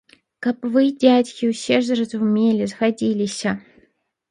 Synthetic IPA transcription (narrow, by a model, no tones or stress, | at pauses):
kɐpvɨdʲætʲkʲɪʊsʲerzɾəzʊʊmʲelʲɪzɣɐdʲilʲɪsʲɐ